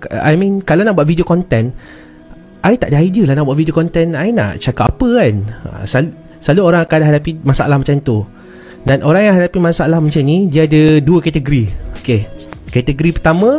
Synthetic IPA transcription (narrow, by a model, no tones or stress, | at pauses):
ka̰jmĩnkalawnaʔbuat̪̚fidiokɔnt̪ɛn | ʔajt̪aʔdəaidəlahnaʔbuat̪̚vidiokɔnt̪ɛnaina̰ʔt͡ʃakapːapəkana̰salu | saluoɾaŋakadaɦadapimasaʔa̰lahmat͡ʃant̪u | danʔoɾãŋjaŋɦadapimãsalahmat͡ʃamnidiadəduəkɛt̪əɡəɾiokekɛt̪əɡəɾipət̪amə̃